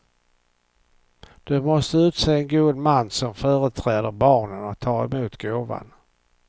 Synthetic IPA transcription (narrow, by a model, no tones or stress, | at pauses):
d̪̥ɵmɔst̪əʉ̟ːt̪seːɛnɡuːd̪manːsɔmfœːɾət̪ʰɾɛːd̪əɾbɑːɳənɔt̪ʰɑːɾɛmuːt̪ɡoːva̰n